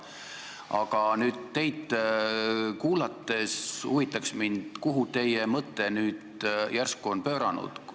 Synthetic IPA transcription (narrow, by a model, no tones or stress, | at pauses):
ɑ̰ɡ̥ɑnyːd̪t̪ːe̞jd̪ | kuːlɑt̪ːˑe̞suvit̪ːˑɑksmind̪̥kuɦut̪e̞jemɤt̪ːˑe̞nyːd̪̥jærskuo̞npø̞ːɾɑnṵd̪̥